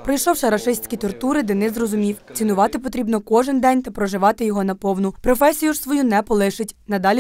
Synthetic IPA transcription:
pɾɔjʃɔwʃɛɾɐʃɪsʲtʲkʲit̪ɔrt̪uɾɪd̪ɪnɪzrɔzʊmʲiwt͡sʲinʊʋɑt̪ɪpɔt̪ɾʲibnɔkɔʒɪnd̪ɛnʲt̪ɐpɾɔʒɪʋɑt̪ɪjɔɦɔnɐpɔwnʊpɾɔfɛsʲijuʒsʋɔjunɛpɔlˠɪʃɪtʲnɐd̪ɑlʲi

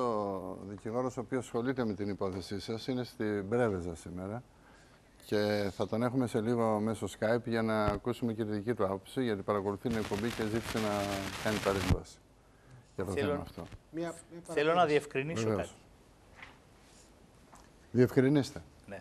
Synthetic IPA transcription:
oðiciɣo̞ɾo̞so̞ːpiosxo̞lit̪e̞me̞t̪inipo̞θe̞sisɐsine̞st̪ibɾe̞ve̞zɐsime̞ɾɐ | ce̞θɐt̪o̞ne̞xume̞se̞liɣo̞me̞so̞skɐjpʝɐnɐːkusume̞ciɾðicit̪uɐpo̞psiʝɐt̪ipɐɾɐko̞luθit̪ine̞k̚po̞mbice̞zit̪i̥se̞nɐkɐnipɐɾeɱvɐsi̥ | ʝɐt̪o̞θemɐ̰ːft̪o̞ | θelonɐðiefkɾinivesveos | ðiefkɾinist̪e̞ | ne

